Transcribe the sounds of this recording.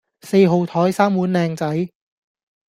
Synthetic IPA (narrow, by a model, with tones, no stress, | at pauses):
se˧jɦo˨˧wt̪ʰɔː˨˥jsaː˥mwuː˨˥nlɛː˧ŋt͡sɐ˨˥j